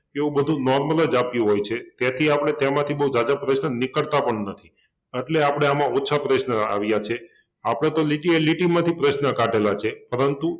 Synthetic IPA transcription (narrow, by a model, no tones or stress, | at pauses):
eũbəd̪ʱũnɔɾmələd͡ʒapjũɦojt͡ʃʰet̪jat̪ʰiapɽ̃et̪jamãt̪ʰibəɦud͡ʒad͡ʒapɾəʃnənɪkəɭt̪apəɳnət̪ʰi | əʈleapəɽ̃eamãotːt͡ʃʰapɾəʃnəa̰ʋjat͡ʃʰe | apəɽ̃et̪oliʈieliʈimãt̪ʰipɾəʃnəkaʈelat͡ʃʰepəɾənt̪u